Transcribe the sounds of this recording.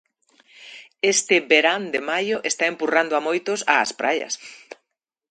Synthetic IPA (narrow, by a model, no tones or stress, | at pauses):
est̪ɪbeɾand̪emajʊʔest̪aempurand̪oamojt̪osa̰ːspɾajɐ̰s